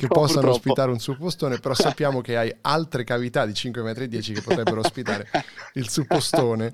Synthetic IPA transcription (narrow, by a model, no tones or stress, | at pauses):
kepːɔsːanoospit̪aːɾeunsupːost̪oːnepeɾɔsːapːjaːmok̟eajalt̪ɾekavit̪ad̪ːit͡ʃiŋkwemɛːt̪ɾed̪ːjɛːt͡ʃikepːot̪ɾɛbːeɾoospit̪aːɾeilsupːost̪oːne